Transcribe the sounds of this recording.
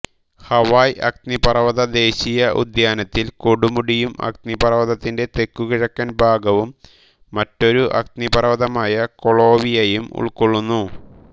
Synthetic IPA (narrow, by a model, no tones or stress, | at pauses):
hɐʋaːjʔɐ̰k̚t̪nipɐrɐʋɐðɐd̪e̞ːɕijɐʔṵd̪jaːnɐt̪ːilkoɽumuɽijumɐ̰k̚t̪nipɐrɐʋɐðɐt̪ːinde̞t̪e̞kːukiɻɐkːɐnbʱaːɡɐʋumː | ɐtːo̞ɾuʔɐ̰k̚t̪nipɐrɐʋɐðɐmaːjɐko̞ɭo̞ːʋijejumṵɭkoɭːunːu